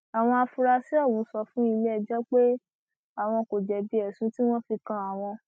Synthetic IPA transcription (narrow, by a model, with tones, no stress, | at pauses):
a˨w̃ɔ̃˧a˧fu˧ɾa˧si˦ɔ˦˨wũ˨˧˦sɔ˧fũ˦i˧le˦ɛ˧d͡ʒɛ˦k͡pe˦ | a˨w̃ɔ̃˧ko˨d͡ʒɛ˨bi˧ɛ˨sũ˨˦ti˦w̃ɔ̃˦fi˧kã˧a˨w̃ɔ̃˧